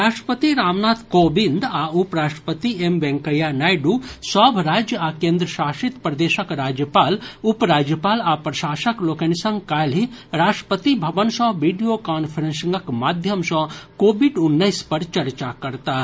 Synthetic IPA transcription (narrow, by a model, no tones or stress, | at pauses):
ɾaːʂʈɾə̥pət̪iɾaːmnaːt̪ʰkoːbĩnd̪aupɾaːʂʈɾə̥pət̪iemʋɛ̃ŋkɐjanaːjɖusɔːbʱɾaːd͡ʒjəakẽːnd̪ɾəʃaːʃit̪pɾɐd̪eːʃəkɾaːd͡ʒjəpaːlupɾaːd͡ʒjəpaːlaːpɾɐʃaːʃɐkloːkɐnisɐ̃ŋɡkaːliɾaːʂʈɾə̥pət̪ibʱɐʋənsɔ̃ʋiːɖijokaːnpʰəɾensŋɡɐkmaːd̪ʱjəmsɔ̃koːbiɖʊnːəispɐɾt͡ʃɐɾt͡ʃakɐɾt̪aː